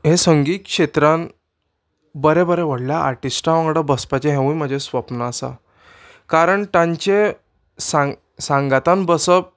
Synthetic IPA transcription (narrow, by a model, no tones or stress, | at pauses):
ɦesəŋɡiːt̪̚kʂet̪ɾãn | bəɾẽbəɾeʋəɽljaa̰ɾʈisʈaʋãŋɡɽəbəspat͡ɕeɦẽʋũjm̤əd͡ʑʱesʋəpnaːsa̰ | kaɾəɳt̪ãɲt͡ɕe | sã | sãŋɡat̪anbəsəp̚